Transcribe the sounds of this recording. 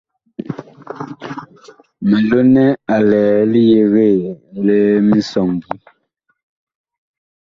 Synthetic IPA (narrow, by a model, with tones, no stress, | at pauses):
me˨lo˦nɛ˦a˨lɛː˨li˦je˨ɣe˦˨le˦mi˦sɔ˨ŋɡi˦